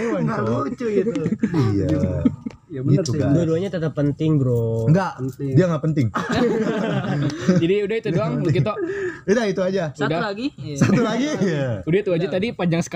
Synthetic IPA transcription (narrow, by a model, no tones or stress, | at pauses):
adot͡ʃuɡit̪uija | ɡiaduaduaɲat̪ət̪əpːənt̪ɪŋbɾoŋɡaʔdiaŋɡaʔpənt̪ɪŋ | d͡ʒadiudahit̪udduaŋk̬it̪audait̪uad͡ʒaudalaɡisat̪ulaɡijaudait̪uad͡ʒat̪adipaɲd͡ʒaŋsə̥k